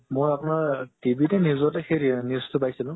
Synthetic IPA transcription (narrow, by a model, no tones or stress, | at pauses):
mojapʊnaɹtibʱitɛnizɔtɛxeɹinistʊpajsilʊ̃